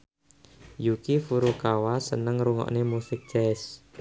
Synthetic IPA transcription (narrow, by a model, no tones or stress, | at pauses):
jukifuɾukawasənəŋɾuŋɔ̰ʔnemusɪk̚d͡ʒ̥ɛs